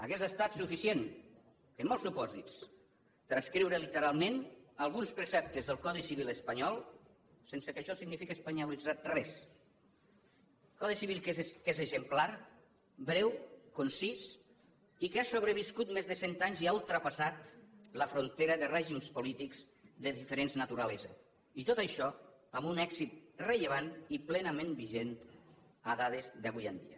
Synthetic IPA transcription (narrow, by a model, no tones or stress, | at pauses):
ə̰ɣezəst̪at̪sufisien | kəmɔlˠsupɔzits | t̪ɾaskɾiwɾəlit̪əɾalˠmenalˠɣunspɾesɛp̚t̪əzðəlˠkɔðisiβiləspaɲɔlˠ | sensəkəʃɔsiɡnifikəespaɲalid͡zat̪̚rɛs | kɔðisiβ̞ilˠkkezezəmplaɾ | bɾɛwkonsis | ikeasoβɾeβiskut̪mezðəsent̪aɲziaulˠt̪ɾəpasat̪ləfɾont̪eɾəðerɛʒimspolit̪ikz̥ | ðeðifeɾenznat̪uɾalez | it̪ot̪aʃɔəmbunɛkzit̪̚reʎeβ̞aniplɛnamẽnbiʒent̪ | əðaðezðəβujand̪ḭə